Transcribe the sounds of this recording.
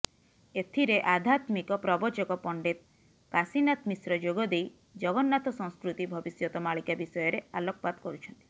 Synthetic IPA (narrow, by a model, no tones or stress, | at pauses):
et̪ʰiɾeʔad̪ʱat̪mikɔpɾɔbɔt͡ʃɔkɔpɔɳɖet̪̚ | kasinat̪misɾɔd͡ʒoɡɔd̪ej | d͡ʒɔɡɔnːat̪ɔsɔ̃ŋ̃skɾut̪ibʱɔbisjɔt̪ɔmaɭikabisɔjɔɾealɔkɔpat̪kɔɾut͡ʃʰɔnt̪i̥